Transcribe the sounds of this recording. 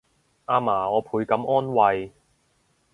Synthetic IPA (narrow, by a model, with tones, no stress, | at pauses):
ʔaː˧maː˨˩ɔː˨˧pʰuː˨˧jkɐ˨˥mʔɔː˥nwɐ˧j